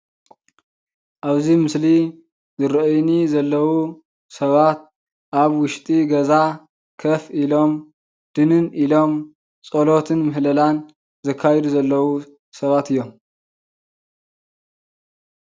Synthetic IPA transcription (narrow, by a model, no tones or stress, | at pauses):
ʔaβzimɨsli | zɨɾɐʔjnizɐlːɐwu | sɐβat̪̚ | ʔaβwʊʃt̪ʼiɡɐza | kʰɐfilo̞m | d̪̥ɨnɨnilo̞m | t͡sʼolo̞t̪ʰɨnmɨɦlɐlan | zɐkʰːajɛd̪uzɐlːɐwu | sɐβat̪ɨjːo̞m